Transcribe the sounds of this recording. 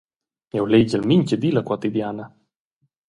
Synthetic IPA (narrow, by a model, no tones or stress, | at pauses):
ɛwleɟəlmiɲcəd̪ilakwat̪id̪jana